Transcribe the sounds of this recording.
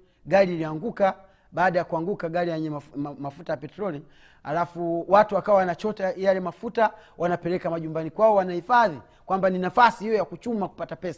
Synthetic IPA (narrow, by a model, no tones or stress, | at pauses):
ɡaliːliaŋɡuka | ɓaːɗajakuaŋɡukaɡalijɛɲɛmafutajapɛtɾɔli | ha̰lafuwatuwakawawanat͡ʃɔtajalɛmafutawanapɛlɛkamaʄumbanikwaɔwanahifaði | kwambaninafasihijɔjakut͡ʃumaku̥patapɛsa